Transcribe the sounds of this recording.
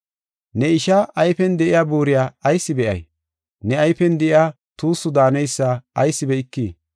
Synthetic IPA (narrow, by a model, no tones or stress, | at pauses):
nɛɪʃaʔɐjfɛnd̪ɛʔɪjaːbuːɾɪjaːɐjsːɪbɛʔɐ̰j | nɛɐjfɛnd̪ɛʔɪjaː | t̪uːsːʊd̪aːnɛjsːaɐjsːɪbɛɪkːiː